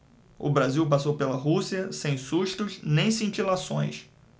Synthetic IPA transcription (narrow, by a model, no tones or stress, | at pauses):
ʊ̰bɾaziwpasowpelɐɦusiɐsẽj̃suʃt̪ʊznẽj̃sĩt͡ʃilasõ̰j̃s